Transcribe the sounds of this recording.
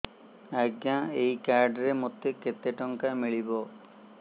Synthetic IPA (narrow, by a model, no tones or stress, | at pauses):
aɡjãejkaɾɖɾemot̪ːeket̪eʈɔŋkamiɭibɔ